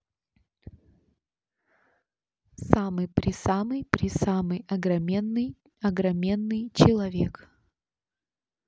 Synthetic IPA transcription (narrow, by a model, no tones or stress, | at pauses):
samɨjpɾʲɪsamɨjpɾʲɪsamɨjɐɡɾɐmʲenːɨj | ɐɡɾɐmʲenːɨjt͡ɕɪlˠɐvʲek